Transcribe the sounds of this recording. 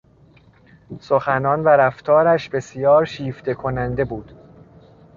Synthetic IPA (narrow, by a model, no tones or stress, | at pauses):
soxænɒːnvæɾæft̪ʰɒːɾæʃbe̞sijɒːɾʃiːft̪ʰe̞kʰonænd̪e̞buːd̪̥